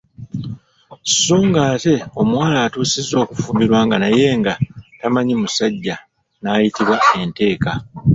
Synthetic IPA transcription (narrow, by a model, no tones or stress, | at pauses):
ssuːŋɡaːte̞o̞mwaːlaːtuːsizo̞ːku̥fuːmiɾwaːŋɡanaje̞ːŋɡatamaɲimusaɟːa | naːjitiβwae̞nte̞ːka